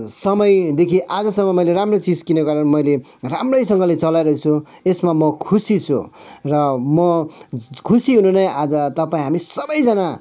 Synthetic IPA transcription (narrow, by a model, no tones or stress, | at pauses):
sʌmʌjd̪ekʰiʔad͡zʌsʌmːʌmʌjleɾamrot͡sid͡zkinʌɡʌɾʌnmʌjle | ramrʌjsʌŋɡʌlet͡sʌlajɾʌt͡sʰu | esmamʌkʰusit͡sʰṵrʌmʌ | kʰusiɦununʌjad͡zʌt̪ʌpaĩɦamisʌbʌjd͡zʌna